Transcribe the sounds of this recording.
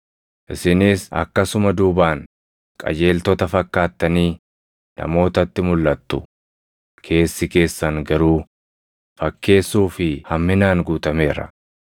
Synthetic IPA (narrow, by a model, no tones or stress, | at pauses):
ʔɪsɪniːsɐ̰kːɐsʊmɐd̪uːbaːŋ | kʼɐ̰d͡ʒe̞ːlt̪ɔt̪ɐfɐkːaːt̪ːɐniː | nɐ̰mo̞ːt̪ɐt̪ːɪmʊlːɐt̪ːʊ | kʰe̞ːsːɪke̞ːsːɐŋɡɐɾuː | fɐkːe̞ːsːuːfɪhɐmːɪnaːŋɡuːt̪ɐme̞ːɾɐ̰